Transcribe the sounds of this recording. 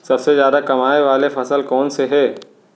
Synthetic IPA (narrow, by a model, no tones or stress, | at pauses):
sɐbsezjaːd̪akɐmaːeʋaːlefɐsəlkɔːnseɦɛː